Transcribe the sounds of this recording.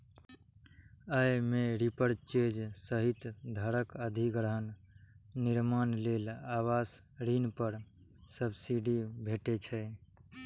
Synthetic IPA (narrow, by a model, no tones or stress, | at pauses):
əjmeɾipəɾt͡ʃed͡ʒsəɦit̪d̪ʱəɾəkəd̪ʱiɡɾəɦənː | iɾmanlelawas | ɾinpəɾ | səbsiɖibʱeʈet͡ʃʰɛ